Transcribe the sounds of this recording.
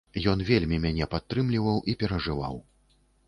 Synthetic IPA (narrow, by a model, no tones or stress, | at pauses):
jɔnvʲelʲmʲimʲanʲɛpat̪ːɾɨmlʲivɐwʔipʲɛɾɐʐɨva̰w